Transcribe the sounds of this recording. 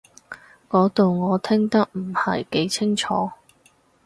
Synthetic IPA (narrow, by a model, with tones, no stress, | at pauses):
kɔː˨˥t̪o˨wŋɔː˨˧t̪ʰɪ˥ŋt̪ɐ˥k̚m̩˨˩hɐ˨jke˨˥jt͡sʰɪ˥ŋt͡ʃʰɔː˨˥